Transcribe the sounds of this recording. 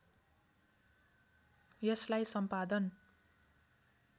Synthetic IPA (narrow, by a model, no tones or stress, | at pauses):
jʌslajsʌmpad̪ʌn